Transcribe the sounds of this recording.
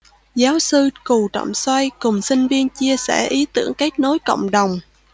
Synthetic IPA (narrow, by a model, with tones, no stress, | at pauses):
zaː˨˦wsɨ˧ku˨˩t͡ɕə̰˧˨wŋ͡mswa˧jkʊ˨˩ŋ͡msï˧ŋ̟vi˧ənt͡ɕi˧əsɛ̰ː˧˩ʔi˨˦t̪ɨ̰˧˩əŋka˦˥k̚no˨˦jkə̰˧˨wŋ͡mɗə˨˩wŋ͡m